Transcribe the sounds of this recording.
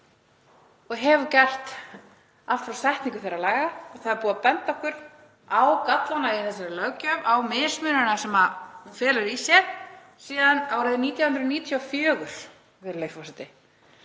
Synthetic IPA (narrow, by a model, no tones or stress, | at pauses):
ɔɣɦɛvʏcɛr̥t̪ | al̥t̪fɾawsaht̪niŋkʏ̥θejɾalaːjɣaɔɣθaðɪɾpuːðapɛnt̪ɔhkʏɾ̥ | awkat̪lanaiθɛs̬aɾlœɣcœvawmɪ̥ːsmʏːnʏnasɛmafɛːlʏɾisjɛɾ | siːðanawɾɛðɪniːt̪jawhʏnd̪ɾniːt̪ʰjɔfjœːɣʏɾ̥ | vɪɾlejfɔsɛt̪ɪ